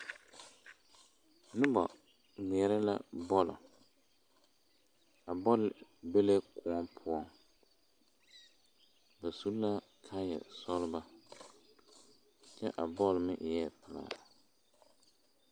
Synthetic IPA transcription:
nʊ˦bɔ̰˨ | ni˨ɛ˨ɾɛ˦la̰˦bɔ˦lɔ̰˨ | a˨bɔ˦lɪ˨be˦le˦kʰʊ˨˦ɔ˦mpʰʊ˦ɔ˦ŋ | ba˨su˦la˦ | kʰa˦jɛ̰˨sɔ˦lba˦ | t͡ʃɛ˦ʔa˨bɔ˦lmɪ˦ʔjɛ˦pɪ˨la̰˨

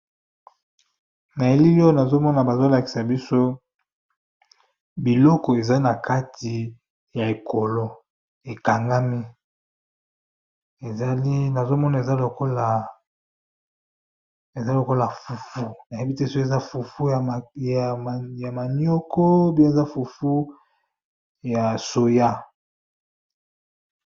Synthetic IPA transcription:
na˨e˦li˦lo˦na˨zo˦mɔ˦na˨ba˨zo˦la˨ki̥˨sa˨bi˦so˦ | bi˨lɔ˦kɔ˨e˨za˦na˨ka˦tʰi˨ | ja˨e˨kʰo˨lo˦ | e˨ka˨ŋɡa˦mi˦ | e˨za˦li˦na˨zo˦mɔ˦na˨e˨za˦lo˨ko˦la˨ | e˨za˦lo˨ko˦la˨fu˨fu˦na˨je˦bi˦te˦so˦˨a˦fu˨fu˦˨a˨ja˨ma˨njo˦kʰɔ˦bi˦e˨za˦fu˨fu˦ | ja˨so˨ja˦

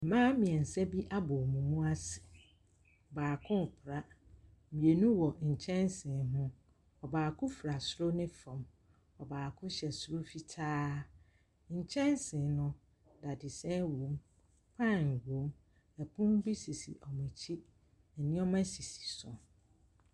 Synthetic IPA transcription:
mãː˦mĩ˨ɛ˨n̩˨sɛ˦bi˦ʔa˦bʊ˨mũ˨mũ˦a˦sɪ̥˨ | baː˨kʰʊ̃˦m˨pʰɾa˦˨ | mĩ˨e˨nũ˦wɔ˨ɲ̩˨t͡ɕʰɛ̃˦nsɪ̃˨ɦʊ̃˦ | ɔ˨baː˨kʰʊ̃˦fɾa˨sɾo˦nɪ̃˦fɔ̃˨m | ɔ˨baː˨kʰʊ̃˦ɕɛ˨sɾo˦fi˦tʰaː˦ | ɲ̩˨t͡ɕʰɛ̃˦nsɪ̃˨nʊ̃˦ | da˨dɪ˨sɛ̃˦wõ˨˦m | pʰã˦˨nwõ˨˦m | ɛ˨pʰʊ̃˦m˦bi˦si˨sḭ˨ʔɔ˨mʊ̃˨t͡ɕʰi˦ | nɛ˨nɪ̃˦ɔ˦mã˦si˨si̥˨sʊ̰̃˨

